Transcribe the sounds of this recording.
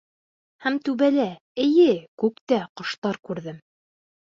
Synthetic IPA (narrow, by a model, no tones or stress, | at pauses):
hæmt̪ʉβælæ | ɘ̆jɘkʉkt̪æqŏʃt̪ɑɾkʉɾðɘm